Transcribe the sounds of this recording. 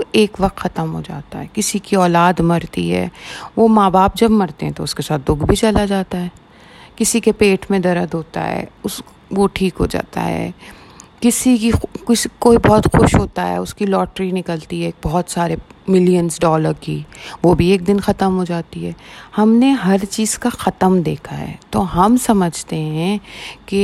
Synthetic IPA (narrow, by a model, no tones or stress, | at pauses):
eːkʋɐq̚t̪xɐt̪əmɦod͡ʒa̰ːt̪a̰ɦɛːkɪsikiɔːlaːd̪mɐɾt̪ḭɦɛ̰ːʋomaːbaːp̚d͡ʒɐbmɐɾt̪eɦɛ̃t̪oʊskesaːt̪̚d̪ʊɡbʱit͡ʃɐlad͡ʒaːt̪aɦɛː | kɪsikepeːʈʰmẽd̪ɐɾəd̪ɦoːt̪a̰ɦɛ̰ːʊs | ʋoʈʰiːkɦo̰d͡ʒa̰ːt̪a̰ɦɛ̰ː | kɪsikikɪskoːibɔɦʊt̪xʊʃɦoːt̪aɦɛ̰ːʊskilɔːʈɾinɪkəlt̪iɦɛːk̚bɔɦɔt̪saːɾemɪlijənzɖɔːləɾkiːʋobʱieːk̚d̪ɪnxɐt̪əmɦod͡ʒaːt̪iɦɛːhɐmneɦɐɾt͡ʃiːz̥kaxɐt̪əmd̪eːkʰaɦɛ̰ːt̪oːɦɐmsɐməd͡ʒʱt̪eɦɛ̃ke